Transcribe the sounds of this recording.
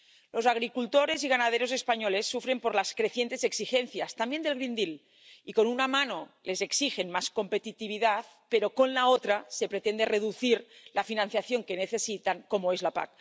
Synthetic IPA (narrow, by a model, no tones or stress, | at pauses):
lo̞zaɣ̞ɾikult̪oɾe̞ziɣ̞anaðeɾoze̞spaɲole̞sːufɾe̞mpo̞ɾlaskɾe̞θje̞nt̪e̞zeksixenθjast̪ambjend̪elɣɾind̪il | iko̞nunamano̞le̞zeksixe̞nmasko̞mpet̪it̪iβ̞iðaθ | peɾoko̞nlaot̪ɾase̞pɾet̪end̪ereðuθiɾlafinãnθjaθjo̞ŋkeneθe̞sit̪aŋko̞moezlapa̰k̚